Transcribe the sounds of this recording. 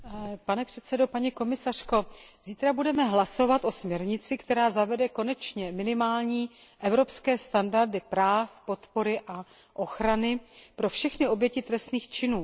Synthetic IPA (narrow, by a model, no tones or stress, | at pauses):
panɛpr̝̥ɛt̪sɛdo̞paɲiko̞mɪsar̝̥ko̞ziːt̪ɾabudɛmɛɦlaso̞vat̪ʔo̞smɲɛɾɲɪt͡sɪkt̪ɛɾaːzavɛdɛko̞nɛt͡ʃɲɛmɪnɪmaːlɲiː | ʔɛvɾo̞pskɛːst̪andaɾdɪpɾaːfpo̞t̪po̞ɾɪʔa | ʔo̞xɾanɪpɾo̞fʃɛxnɪo̞bjɛcɪt̪ɾɛst̪niːxt͡ʃɪnuː